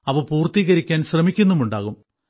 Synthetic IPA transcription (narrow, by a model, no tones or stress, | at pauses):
ɐʋɐpuːrt̪iːɣɐɾikʲːaːnɕrɐmikʲːunːumuɳɖaːɣum